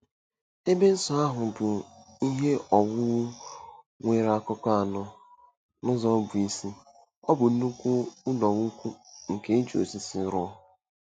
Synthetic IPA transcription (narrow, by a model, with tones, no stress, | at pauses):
e˦be˦n̩˦sɔ˨a˦ɦʊ˨bʊ˨i˦ɦe˦ɔ˨wʊ˦ | ŋʷe˨ɾa˦˨kɔ˦ka˦a˨nɔ˦ | nʊ˦zɔ˦bʊ˨i˦si˦ | ɔ˦bʊ˨n̩˦nu˦kʷu˦ʊ˦nɔ˨ŋu˦kʷu˦ŋ̩˨ke˦n̩˦t͡ʃo̰˨si˦si˨˦ɾʊ˦ɔ˦